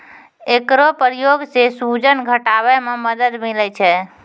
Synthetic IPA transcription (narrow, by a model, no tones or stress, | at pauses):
ekɾopəɾijoɡsesud͡ʒənɡʱəʈabɛmeməd̪əd̪milɛt͡ʃʰɛ